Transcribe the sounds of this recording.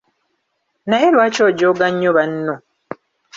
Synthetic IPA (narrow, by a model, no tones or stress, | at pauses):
najelwaːt͡ʃoːɟoɡaɲːoβanːo